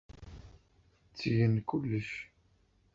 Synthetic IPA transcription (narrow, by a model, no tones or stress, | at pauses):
t͡sːiʝənkulːəʃ